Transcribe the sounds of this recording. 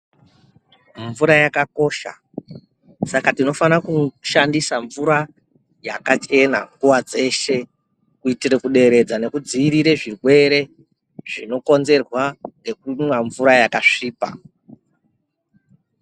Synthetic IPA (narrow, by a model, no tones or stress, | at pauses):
ɱvuɾajakako̞ʃa̰ | sakatino̞fanakuʃandisaɱvuɾa | jakat͡ʃe̞na̰ŋɡuwad͡ze̞ʃe̞ | kuitiɾekuɗe̞ɾe̞d͡zane̞kud͡ziːɾiɾe̞ʐirwe̞ɾe̞ | ʐino̞ko̞nze̞rwaŋɡe̞kumwaɱvuɾajakaʂiːpa̰